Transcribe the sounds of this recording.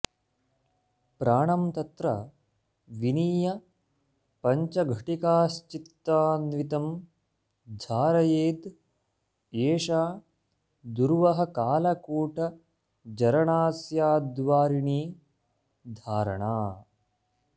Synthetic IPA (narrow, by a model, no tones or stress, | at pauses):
pɾaːɳɐmt̪ɐt̪ɾɐ | ʋiniːjɐ | pɐɲt͡ʃɐɡʱɐʈikaːst͡ʃit̪ːaːnʋit̪ɐm | d͡ʒʱaːɾɐjeːd̪ | eːʂaː | d̪uɾʋɐɦɐ̆kaːlɐkuːʈɐ | d͡ʒɐɾɐɳaːsjaːd̪ʋaːɾiɳiː | d̪ʱaːɾɐ̰ɳaː